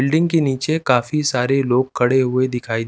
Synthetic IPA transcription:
ɪlɖɪ̃ŋɡkeniːt͡ʃekaːfisaːɾeloːɡ̚kʰːɐɽeɦʊed̪ɪkʰaːid

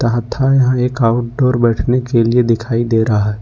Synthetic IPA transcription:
t̪ɐɦət̪ʰːajɐɦãeːkaːʊʈ̚ɖɔːɾbɛːʈʰnekelied̪ɪkʰaːid̪eːɾɐɦaɦɛː

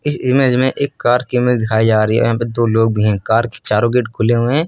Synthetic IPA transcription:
ɪsɪmeːd͡ʒmẽʔeːkːaːɾkimɪld̪ɪkʰaːid͡ʒaːɾəiɛ̰ɔ̰jãːped̪oːloːɡ̚bʱiɦɛ̃kaːɾke̥t͡ʃaːɾõɡɪʈkʰʊleɦuɦɛ̃ː

